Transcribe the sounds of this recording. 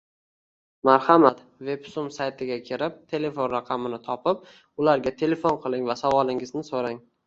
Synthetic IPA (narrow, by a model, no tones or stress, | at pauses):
maɾhamat̪ | ve̞psʊmsajt̪ʰɪɡʲakʲʰɪɾɪp̚t̪ʰe̞le̞fonɾaqʰɑmɪnɪt̪ʰɒpʰɪp̚ | ʊlaɾɡʲat̪ʰe̞le̞fonqʰɨlˠɪŋvasavɒlˠɪŋɪznɪsoɾaŋ